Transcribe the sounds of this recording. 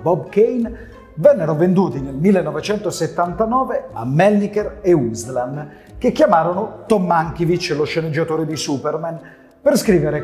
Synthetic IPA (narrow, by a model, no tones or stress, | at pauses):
bɔbkejn | vɛnːeɾovend̪uːt̪inelmilːenːɔvet͡ʃɛnt̪oset̪ːant̪anɔːveamːɛlnikɛɾeuslan | kekːjamaːɾonot̪ɔmːaŋk̟ivit͡ʃːloʃːened͡ʒːat̪oːɾed̪isuperman | perskɾiːveɾe